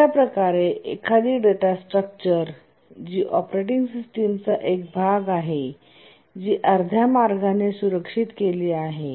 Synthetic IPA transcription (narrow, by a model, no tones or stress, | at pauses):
apɾəkaɾeekʰad̪iːɖeʈasʈɾək̚t͡ɕəɾ | d͡ʑiːʔɔpɾeʈ̬iŋɡsisʈemt͡saʔek̚bʱaɡaɦe | d͡ʑiːʔəɾd̪ʱjamaɾɡʱanesuɾəkʂit̪keliːaɦe